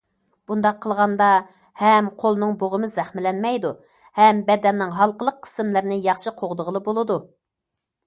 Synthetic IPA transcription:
b̥und̪ɑqʰːəlˠʁɑnd̪ɑ | hɛmqʰolˠnɨŋboʁəmɨzɛχmɪlɛnmɛjd̪u | hɛmbɛd̪ɛnːɪŋɦɑlˠqəlˠəqʰːə̥sɨmlɨɾnɪjɑχʃiqʰoʁd̪əʁəlˠɨbolˠɨd̪u

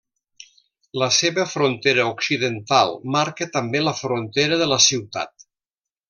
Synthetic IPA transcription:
ləseβəfɾont̪eɾəuksiðənt̪alˠmaɾkət̪əmbeləfɾont̪eɾəðələsiwt̪a̰t̪

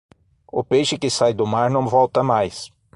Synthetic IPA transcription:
ʊpejʃɪkɪsajd̪ʊmaɾnɐ̃w̃vɔwt̪ɐmajs

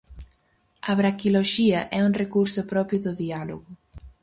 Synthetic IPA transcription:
ɐβɾakiloʃiɐʔɛuŋrekuɾsʊpɾɔpɾjʊðʊðialoɣʊ

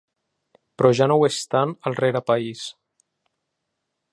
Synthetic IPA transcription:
pɾɔʒanowest̪anəlˠreɾapais

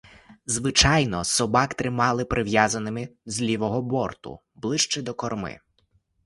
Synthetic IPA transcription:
zʋɪt͡ʃɑjnɔsɔbɑkt̪ɾɪmɑlˠɪpɾʔɪʋjazɐnɪmɪzlʲiʋɔɦɔbɔrt̪ʊ̰ | blˠɪʃt͡ʃɛd̪ɔkɔrmɪ̰

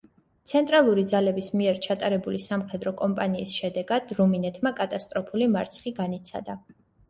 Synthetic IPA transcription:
t̪sʰɛnt̪ʼɾalˠuɾid̪zalɛbismiɛɾt͡ʃʰat̪ʼaɾɛbulisamχɛd̪ɾɔkʼɔmpʼaniːsʃɛd̪ɛɡad̪̥ɾuminɛt̪ʰmakʼat̪ʼast̪ʼɾɔpʰulimaɾt̪sʰχiɡanit̪sʰa̰d̪a

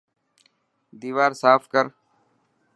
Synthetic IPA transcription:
d̪iːʋaːɾsaːfkəɾ

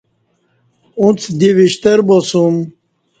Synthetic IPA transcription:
ũt͡sʰd̪iʋiɕt̪ɐɾbosum

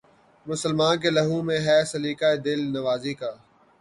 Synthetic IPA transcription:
mʊsəlmaːnk̬eːlɐɦũːmẽɦɛːsɐliːkaːeːd̪ɪlnɐʋaːzikaː

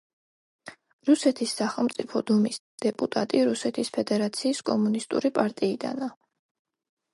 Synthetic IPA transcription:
ɾusɛt̪ʰisːaχɛlˠmt̪sʼipʰɔd̪umis | d̪̥ɛpʼut̪ʼat̪ʼiɾusɛt̪ʰispʰɛd̪ɛɾat̪sʰiːskʼɔmunist̪ʼṵɾipʼaɾt̪ʼiːd̪a̰na

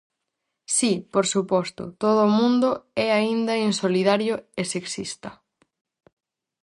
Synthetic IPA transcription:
sipoɾsupɔst̪ʊ̰t̪oð̞oʊːmũnd̪ʊɛaind̪ɐinsoliðaɾjʊeseksist̪ɐ

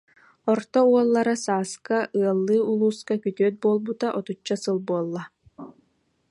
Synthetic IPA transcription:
ɔɾt̪ɔuɔlˠːaɾasaːskaʔɯɐlˠːɯːulˠuːskakyt̪yœt̪̚buɔlˠbut̪aʔɔt̪ut͡ʃːasɯlˠbuɔlˠːa

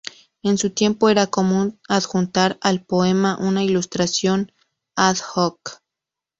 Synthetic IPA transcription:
ensut̪je̞mpoeɾakomunaðxunt̪aɾalpoemaʔunailust̪ɾasjon | aðhok

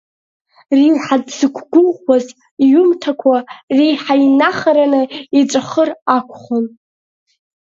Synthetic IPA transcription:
rijħadzɨkʷʰɡʷʊlwaz | jʊmtʰakʷʰariħajnaχaɾanɨiʈ͡ʂʷʼaχərakʷʰχon

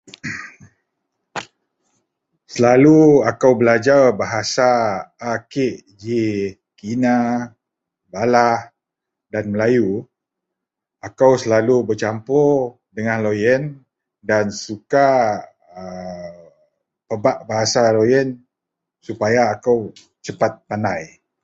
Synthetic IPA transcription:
səlaluakawbəlad͡ʒarbaɦasaː | keʔ | d͡ʒi | kina | balah | danməlaju | akawsəlalubərt͡ʃampo | dəŋãnlojən | dansuka | ə | pəbaʔbaɦasalojən | supajaːkaw | t͡ʃəpat̪̚panaj

